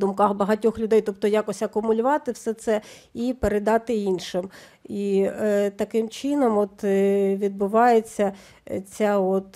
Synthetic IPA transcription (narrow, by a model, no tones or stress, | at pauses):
d̪ʊmkɑxbɐɦɐtʲɔxlʲʊd̪ɛjt̪ɔp̚t̪ɔjɑkɔsʲɐkʊmʊlʲʊʋɑt̪ɪwsɛt̪sɛ | ipeɾed̪ɑt̪ɪinʃɪm | it̪ɐkɪmt͡ʃɪnɔmɔt̪ʋʲid̪̚bʊʋɑjet͡sʲːɐ | t͡sʲaɔt̪